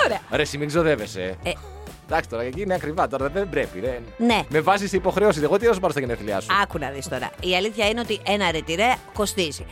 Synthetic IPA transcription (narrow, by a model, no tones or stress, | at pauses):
oɾeɐɾesimiɡzo̞ðe̞vese | d̪ɐksi̥t̪o̞ɾɐecineɐkɾivɐt̪o̞ɾɐðembɾepḭðenneme̞vɐsiseipo̞xɾe̞osiseɣot̪iɾɐsopɐɾost̪ɐʝeneθliɐ̰suɐkunɐðist̪o̞ɾɐ̰iɐliθçɐineo̞t̪iʔe̞nɐɾet̪iɾeko̞st̪izi